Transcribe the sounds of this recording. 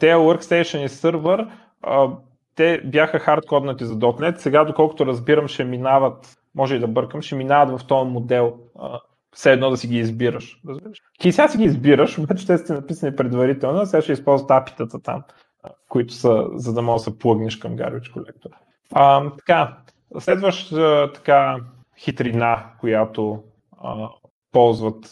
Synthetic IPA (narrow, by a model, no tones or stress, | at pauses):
t̪ɛwəɾkst̪ɛjʃənisəɾvəɾ | ə | t̪ɛbjaxəxaɾt̪kɔd̪nɐt̪izɐd̪ɔt̪nɛt̪sɛɡad̪okɔlˠkʊ̥t̪ʊɾɐzbiɾəmʃɛminavət̪ | mɔʒɛid̪ɐbɤɾkəmʃɛminavɐt̪vɐft̪ɔjmod̪ɛlˠ | ə̰ | fsɛːd̪nɔd̪ɐsiɡiːzbiɾəʃɾəzbiɾəʃ | isɛɡasiɡʲiːzbiɾəʃobat͡ʃɛ̥t̪ɛst̪inɐpisənipɾɛd̪vɐɾit̪ɛlˠnoɐsɛɡaʃɛispɔlˠzvət̪api̥t̪ət̪ət̪a̰m | kʊit̪ʊ̥sə̰zɐd̪ɐmɔʒəsɐplˠɤɡnɛʃkɐmɡa̰ɾbit͡ʃkolɛ̰k̚t̪oɾ | ət̪ɐ̥ka | slɛd̪vəʃət̪ɐ̥ka | xit̪ɾinakojat̪o | ə | pɔlˠzvət̪